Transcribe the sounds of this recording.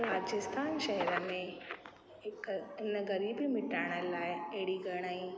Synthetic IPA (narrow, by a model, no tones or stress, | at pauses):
ɾaːd͡ʒɪst̪ʰaːnʃəɦɛɾəmẽ | kɪnəɡɐɾiːbimɪʈaːɽ̃əlaːeeːɽiɡəɾɽ̃aːi